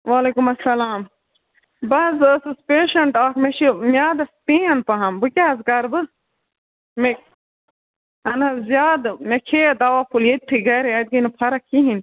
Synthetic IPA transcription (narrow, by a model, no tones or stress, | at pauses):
ʋaːleːkumɐsːɐlaːm | bɐzsɨspeːʃɐɳʈaːkmeʃimjaːd̪ɐst̪ĩːɐnpɐɦɐmbɨkʲaːzkɐɾbɨ | me | ɐnɐzjaːd̪ɨmekʰed̪awapʰuljet̪̚ʈ̪ʰiɡɐɾiad̪̚ɡɐinɨpʰɐɾɐkʰiɦin